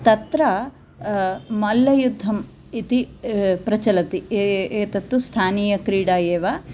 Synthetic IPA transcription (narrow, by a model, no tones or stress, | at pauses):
t̪ɐt̪ɾɐ | mɐlːɐjud̪ʱːɐm | it̪ipɾɐt͡ʃɐlɐt̪ieːt̪ɐt̪ːust̪ʰaːniːjɐkɾiːɽaːjeːʋaː